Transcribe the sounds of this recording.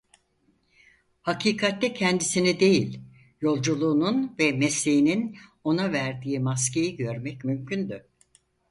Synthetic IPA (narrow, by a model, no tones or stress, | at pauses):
hacʰiːkʰat̪lʲɛcʰɛnd̪isinid̪e̞jilʲ | jo̞lˠd͡ʒulˠuːnunvɛmɛslejinino̞navæɾd̪iːmas̬ce̞jiɟø̞ɾmɛcmymcʰynd̪y